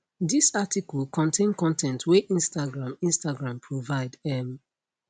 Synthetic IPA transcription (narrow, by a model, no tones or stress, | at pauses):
disatikɔlkɔ̃ntʰẽnkɔ̃ntʰɛ̃ntʰweʔĩnstaɡɹãmĩnstaɡɹãmpʰɹovaɪdɛm